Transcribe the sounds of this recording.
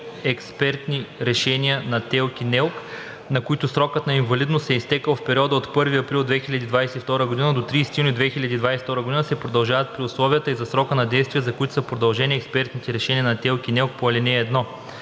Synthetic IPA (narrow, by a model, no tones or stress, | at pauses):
ɛkspɛɾt̪niɾɛʃɛnʲiənɐt̪ɛlˠkinɛlˠk | nɐkoit̪ʊsɾɔkət̪nɐinvɐlid̪nosɛist̪ɛkəlˠfpɛɾʲiɔd̪əot̪pɤɾviɐpɾilˠd̪vɛxilʲɐd̪iːd̪vajsɛift̪ɔɾəɡod̪inəd̪ot̪ɾiːsɛt̪junʲid̪vɛxilʲɐd̪ʲiːd̪vajsɛ̥ft̪ɔɾəɡod̪inəsɛpɾod̪ɐlˠʒavɐt̪̚pɾiʊslˠɔviət̪əizɐsɾɔkənɐd̪ɛjst̪vijəzɐkʊit̪ʊ̥səpɾod̪ɐlˠʒɛnʲiɛkspɛɾt̪nit̪ɛɾɛʃɛniɐnɐt̪ɛlˠkinɛlˠk̚poɐlʲɛnɛːd̪nɔ